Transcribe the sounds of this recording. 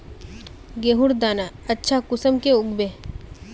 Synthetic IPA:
ɡeːɦʊɾd̪aːna | ɐtːʃʰakʊsəmkeʊɡbe

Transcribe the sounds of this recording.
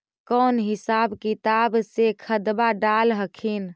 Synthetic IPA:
kɔːnɦɪsaːbkit̪absekʰəd̪baɖalɦəkʰin

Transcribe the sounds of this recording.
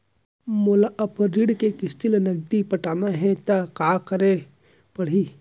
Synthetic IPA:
molaʔɐpɾiɽkekɪst̪ɪlnɐɡ̚d̪ipɐʈaːnaɦɛ̃t̪akaːkɐɾe | pɐɽ̤i

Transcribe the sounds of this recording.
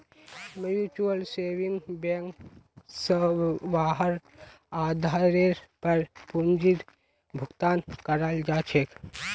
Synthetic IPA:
mjuːt͡ʃuəlseːʋiŋɡbeŋksəʋaːɦəɾ | aːd̪ʱaːɾeɾpəɾpund͡ʒit̪ | bʱʊɡt̪aːnkəɾald͡ʒaːt͡ʃʰek

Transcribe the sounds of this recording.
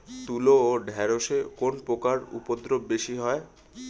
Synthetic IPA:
t̪uloːɖʱɛɾoʃekonpokaɾṵpod̪ɾobbeʃiɦɔe

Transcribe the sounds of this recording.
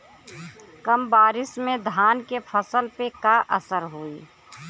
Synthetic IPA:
kəmbaːɾɪsmẽd̪ʱaːnkepʰəsəlpekaʔəsəɾɦoi

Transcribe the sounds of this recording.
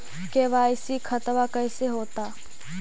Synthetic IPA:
keʋaːɪsikʰɐt̪ʋakɐɪseɦoːt̪aː

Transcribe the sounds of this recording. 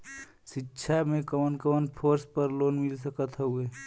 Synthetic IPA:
ʃɪtːʃʰamẽkəʋənkəʋənpʰoːɾspəɾloːnmɪls̬əkət̪ɦoueː

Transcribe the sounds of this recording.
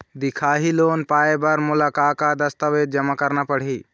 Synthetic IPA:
d̪ɪkʰaːɦiloːnpaːebəɾmʊlakakad̪əst̪əʋeːd̪̚d͡ʒəmakəɾnapəɽ̤iː

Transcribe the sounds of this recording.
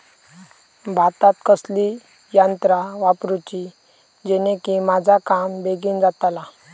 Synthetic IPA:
bʱat̪at̪kəsli | jant̪ɾaʋapɾut͡ɕi | d͡ʑenekimad͡zʱakambeɡiːnd͡zat̪ala

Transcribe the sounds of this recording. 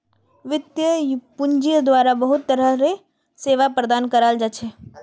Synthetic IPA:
ʋɪt̪jəpʊɲd͡ʒijd̪waːɾabɐɦʊt̪ːəɾəɾe | seːʋapɾəd̪aːnkəɾaːld͡ʒat͡ʃʰeː

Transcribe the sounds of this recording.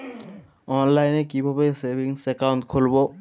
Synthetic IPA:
ɔnlajnekibʱabesebʱiŋsɛkawntkʰolbo

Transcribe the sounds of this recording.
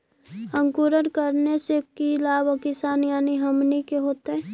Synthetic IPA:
ə̃ŋkuɾəɾkəɾnesekilaːbkɪsaːnjaːniɦəmnikeɦoːt̪ɦɛː

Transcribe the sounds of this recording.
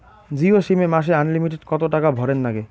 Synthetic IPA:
d͡ʑioʃimemaʃ̬eanlimiʈeɖkɔt̪oʈakabʱɔɾenːaɡe

